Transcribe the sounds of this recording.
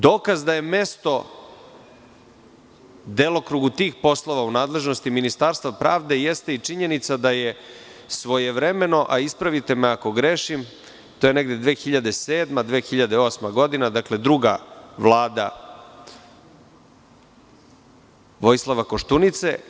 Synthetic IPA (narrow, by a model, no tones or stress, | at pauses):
d̪o̞ːkazd̪aje̞me̞st̪o̞ | d̪elˠokɾuɡut̪iːxpo̞slˠo̞ʋaunaːd̪le̞ʒno̞st̪iminist̪aːɾst̪vapɾaːʋd̪e̞jest̪e̞it͡ʂiɲenit̪sad̪aje̞ | sʋo̞je̞ʋɾeme̞no̞ʔaispɾaʋit̪e̞meako̞ɡɾeʃim | t̪ojeneɡd̪ed̪ʋe̞ːxiʎad̪e̞seːd̪mad̪ʋe̞ːxiʎad̪eo̞ːsmaɡo̞d̪inad̪akle̞d̪ɾuɡa̰ʋlˠaːd̪a̰ | ʋo̞jslˠaʋako̞ʃt̪unit̪se̞